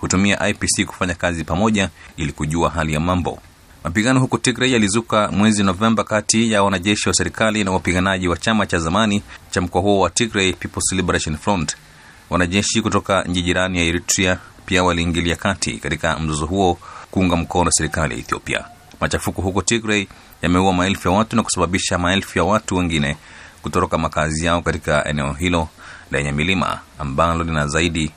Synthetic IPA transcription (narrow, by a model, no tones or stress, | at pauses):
hutumiaʔajpisiku̥faɲakazipamɔʄailikuʄuaɦalijamambɔ̰ | mapiɠanɔhukɔtikɾɛjalizukamwɛzinɔvɛmbakatijawanaʄɛʃiwasɛɾikalinawapiɠanaʄiwat͡ʃamat͡ʃazamanit͡ʃam̩kɔaɦuɔwatikɾɛjpipɔlsɛlibɾaʃɔnflɔnd | wanaʄɛʃikutɔkaɲ̩t͡ʃiʄiɾanijaɛɾitɾiapiawaliːŋɡiliakatʰḭkatikam̩zɔzɔɦuɔkuuŋɡam̩kɔnɔwasɛɾikalija̰ɛ̰θiɔ̰pia̰ | mat͡ʃafukɔɦukɔtikɾɛi | jamɛuwamaɛlfujawatunaku̥saɓaɓiʃamaɛlfujawatuwɛŋɡinɛ | kutɔɾɔkamakazijaɔkatikaʔɛ̰nɛɔɦilɔlɛɲamilima̰ːmbalɔlinazaiɗi